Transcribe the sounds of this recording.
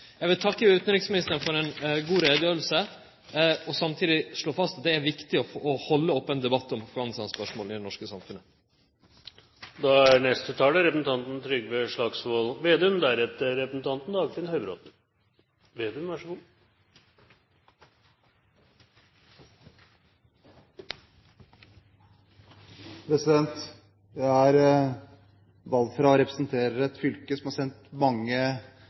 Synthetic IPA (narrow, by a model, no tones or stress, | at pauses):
jæʋɪlt̪ʰɑkːəʉːt̪n̩ɾɪksmɪnɪst̪əɾfɔɾɛnɡuːɾeːd̪jøːlsə | ɔsɑmt̪ʰiːd̪ɪʂɭoːfɑst̪ɑt̪̚d̪ɛæɾʋɪkt̪ɪɔfʔːhɔlːəɔpːɛnd̪ɛbɑt̪ːɔmɑfɡɑːnɪst̪ɑnspœʂmoːɪd̪ɛnɔʂkəsɑmfʉnːə | d̪ɑæɾɳɛst̪ət̪ʰɑːləɾɛpɾəsn̩t̪ɑnt̪n̩t̪ʰɾʏɡʋɛʂɭɑɡsʋoːlʋeːd̪ɛʉmd̪æɾɛt̪ːəːɛpəsn̩t̪ʰɑnt̪n̩d̪ɑːɡt̪ɪnhœʏbɾo̰ːt̪n | ʋeːd̪ʉmʋæʂəɡuː | pʰɾɛsɪd̪ɛnt̪ | d̪ææɾ | ʋɑlːfɾɑɔɾɛpɾəsn̩t̪ʰeːɾəɾɛt̪fʏlkəsɔmhɑɾsɛnt̪mɑŋːə